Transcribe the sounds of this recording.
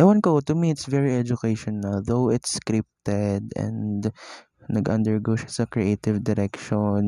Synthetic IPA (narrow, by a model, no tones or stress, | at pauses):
ʔajwɐ̃nkot̪ʊmiɪt̪svɛɹiɛd͡ʒʊkejʃɔnɐlðowɪt̪skɾɪp̚t̪ɛd̪ɛ̰̃nd | nɐɡʔɐ̰̃nd̪ɛɹɡoʃɪ̥sɐkɹiʔeːt̪ɪvd̪ɪɾɛkʃɔn